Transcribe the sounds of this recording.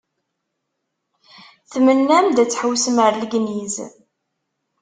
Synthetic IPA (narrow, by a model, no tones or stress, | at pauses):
θmənːæmd̪æt͡sːħəwsəməɾlɡniz